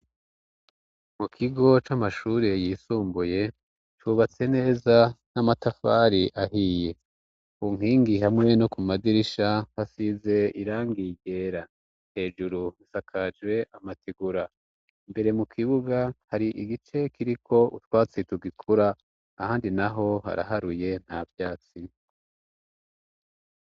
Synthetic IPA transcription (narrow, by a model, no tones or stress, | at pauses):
mukʰiɡo̞t͡ʃamaʃuːɾejiːsuːmbuje̞ | t͡ʃuβat͡se̞ne̞ːzanamatafaɾiʔaɦiːje̞ | uŋ̥hiːŋɡiɦamŋe̞nokumadiɾiʃahasize̞iɾaːŋɡiɡe̞ːɾa | he̞ːʒuɾuisakʰad͡ʒɡwe̞ʔamatiɡuɾa | imbe̞ɾe̞mukʰiβuɡahaɾiʔiɡit͡ʃe̞kʰiɾikʰo̞ṵtwaːt͡situɡikʰuɾaː | haːndinaɦo̞ha̰ɾa̰ɦaɾuje̞n̥havjaːt͡si